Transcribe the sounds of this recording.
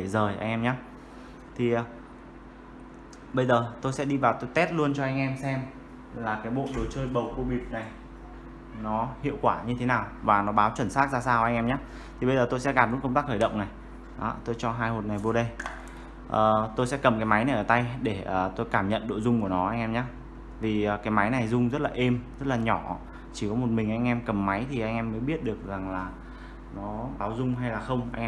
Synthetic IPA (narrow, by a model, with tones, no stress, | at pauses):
ə˧˩zəː˨˩jʔa˧jŋʔɛ˧mɲaː˨˦ | t̪ʰi˨˩ʔ | ɓə˧jzəː˨˩t̪o˧jsɛ̰˧˥ɗi˧vaː˨˩wt̪o˧jt̪ɛ˦˥t̚lu˧ənt͡ɕɔ˧ʔa˧jŋ̟ʔɛ˧msɛ˧m | laː˨˩kaː˨˦jɓo̰˧˨ɗo˨˩t͡ɕəː˧jɓə˨˩wko˧ɓi˨˩əp̚na˨˩j | nɔ˨˦hḭ˧˨əwkwaː˧˩ɲɨ˧t̪ʰe˨˦naː˨˩wvaː˨˩nɔ˨˦ɓaː˨˦wt͡ɕwə˧˩nsaː˦˥t̚zaː˧saː˧wʔa˧jŋʔɛ˧mɲaː˨˦ | t̪ʰi˨˩ɓə˧jzəː˨˩t̪o˧jsɛ̰˧˥ɣaː˨˩mɗṵ˧˥kə˧ŋ͡mt̪aː˦˥kxəː˧˩ɗə̰˧˨wŋ͡mna˨˩j | ɔ˨˦t̪o˧jt͡ɕɔ˧ɦaː˧jho˨˩t̚na˨˩jvo˧ɗə˧j | ʔəː˨˩t̪o˧jsɛ̰˧˥kə˨˩mkaː˨˦jma˨˦jna˨˩jʔəː˧˩t̪a˧jɗe˧˩əː˨˩t̪o˧jkaː˧˩mɲə̰˧˨nɗo̰˧˨jzʊ˧ŋ͡mku˧˩ənɔ˨˦ʔa˧jŋʔɛ˧mɲaː˨˦ | viː˨˩˨kaː˨˦jma˨˦jna˨˩jzʊ˧ŋ͡mzə˦˥t̚laː˨˩ʔe˧mzə˦˥t̚laː˨˩ɲɔ˧˩ | t͡ɕi˧˩kɔ˨˦mo˨˩t̚mï˨˩ŋ̟ʔa˧jŋ̟ʔɛ˧mkə˨˩mːa˨˦jt̪ʰi˨˩ʔa˧jŋ̟ʔɛ˧mːəː˨˦jɓi˦˥ət̚ɗɨ˨˩ək̚za˨˩ŋlaː˨˩ | nɔ˨˦ɓaː˨˦wzʊ˧ŋ͡mɦa˧jlaː˨˩xə˧wŋ͡mʔa˧jŋ̟ɛ˧